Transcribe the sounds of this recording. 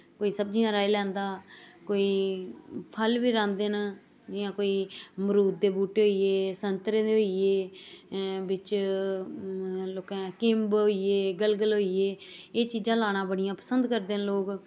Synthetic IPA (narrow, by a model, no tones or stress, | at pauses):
koːiːsəb̚d͡ʒijãːɾaːiːlɛ̃ːnd̪aːkoːiː | pʰəlʋiːɾãːnd̪eːn | d͡ʒɪjãːkoːiːmɾuːt̪̚d̪eːbuːʈeːɦoieːsənt̪ɾeːd̪eːɦoːieː | bɪt͡ʃ | loːkɛ̃ːkɪmbɦoːieːɡəlɡəlɦoːieːeːt͡ʃiːd͡ʒãːlaːɽãːbəɽɪjãːpəsənd̪kəɾd̪eːnloːk